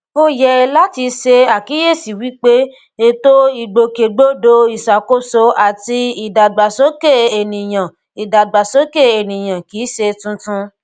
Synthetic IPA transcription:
o˧jɛ˧la˦ti˧ʃe˧a˨ki˨˦je˦˨si˨wi˦k͡pe˦ | e˧to˦i˦˨ɡ͡bo˨ke˨ɡ͡bo˦do˧i˨sa˨ko˦so˧a˨ti˧i˨da˨ɡ͡ba˨so˦ke˦˨e˨nĩ˨j̃ã˨ | i˨da˨ɡ͡ba˨so˦ke˦˨e˨nĩ˨j̃ã˨ki˨˦ʃe˧tũ˧tũ˦˧

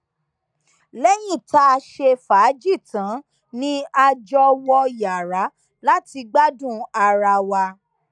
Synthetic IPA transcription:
lɛ˦jĩ˦˨ta˧ʃe˧fa˨˦d͡ʒi˦˨tã˨˦ | nĩ˦a˧d͡ʒɔ˧wɔ˧ja˨ɾa˨˦ | la˦ti˧ɡ͡ba˦dũ˦˨a˧ɾa˧wa˧

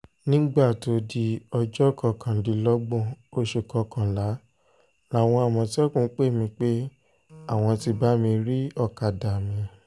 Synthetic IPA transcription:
nĩ˦ɡ͡ba˦˨to˨˧di˧ɔ˧d͡ʒɔ˦˨kɔ˧˨kʰã˨˦di˨˧lɔ˦ɡ͡bɔ̃˦˨o˧ʃe˨kɔ˧kã˨la˨˦ | la˨˦˨w̃ɔ̃˧a˨mɔ̃˧ti˦ɔ˦kũ˦˨˦k͡pe˦˨mĩ˧k͡pe˦ | a˦˨w̃ɔ̃˧ti˧ba˦mĩ˧ɾi˦ɔ˦˨ka˨da˨mĩ˧

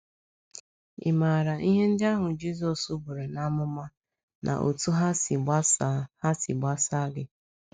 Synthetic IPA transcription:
ɪ̰˨ma˨ɾa˨ʔi˦ɦe˦n̩˦dɪ˦a˦ɦʊ˨d͡ʒi˦zɔ˨su˦bu˨ɾe˨na˦mʊ˦ma˦ | nʔa̰˨ʔo̰˨tu˦ɦa˦ssha˦sɪ̰˨ɡ͡ba˦sa˦ɡɪ˦

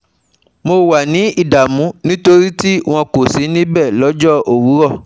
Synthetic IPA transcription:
mo˧wa˨nĩ˨˦i˦˨da˨mũ˨˦nĩ˦to˧ɾi˦ti˦w̃ɔ̃˧ko˨si˨˦nĩ˦bɛ˦˨lɔ˨˦d͡ʒɔ˦ʔo˨wu˨˦ɾɔ˦˨

